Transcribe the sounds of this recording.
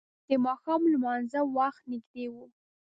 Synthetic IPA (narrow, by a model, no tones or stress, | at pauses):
d̪̥əmɑxɑmlmɑnzawaxt̪nɪɡd̪ewu